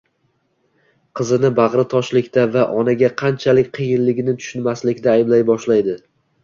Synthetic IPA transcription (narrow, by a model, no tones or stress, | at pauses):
qʰɨzɪnɪbɑʁɾɪt̪ʰɒʃlɪkʲt̪avaʔɒnaɡʲaqʰɑnt͡ʃʰalɪk̚ʲqʰɨjɪnlɪɡʲɪnɪt̪ʰʊ̥ʃʊnmaslɪkʲd̪aːjɪblajbɒʃlajd̪ɪ